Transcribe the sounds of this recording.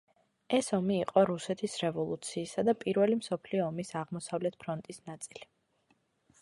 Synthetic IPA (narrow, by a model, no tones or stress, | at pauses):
ɛsɔmiːqʼɔɾusɛt̪ʰisɾɛvɔlˠut̪sʰiːsad̪apʼiɾvɛlimsɔpʰliɔːmisaʁmɔsavlɛt̪̚ʰpʰɾɔnt̪ʼisnat̪sʼili